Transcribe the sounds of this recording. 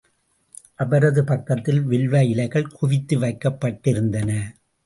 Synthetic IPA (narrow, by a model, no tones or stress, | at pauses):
ʔɐbɐɾɐðɯpɐkːɐt̪ːɪlʋɪɭʋɐjɪlɐɪɣɐɭkʊʋɪt̪ːɯʋɐɪkːɐpːɐʈːɪɾɯnd̪ɐnɐ